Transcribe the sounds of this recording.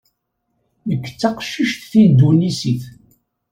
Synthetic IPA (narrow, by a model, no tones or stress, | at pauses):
məkːə̥t͡sːɑqʃːiʃθθind̪unisiθ